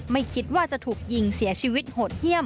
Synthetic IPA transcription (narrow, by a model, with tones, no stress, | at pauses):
ma˥˩jkʰi˦˥t̪̚waː˥˩t͡ɕa˨˩t̪ʰuː˨˩k̚ji˧ŋsi˨˩˦ɐt͡ɕʰiː˧wi˦˥t̪̚hoː˨˩t̪̚hi˥˩əm